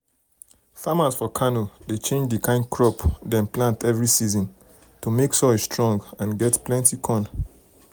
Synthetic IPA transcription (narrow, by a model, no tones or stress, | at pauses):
famazfɔkʰanodet͡ʃẽnd͡ʒdikʰãɪ̃nkʰɹɔpdɛ̃nplãntɛvɹisizɔ̃n | tumeksɔd͡ʒstɹɔ̃ŋɡãnɡɛtplɛ̃ntikʰɔ̃n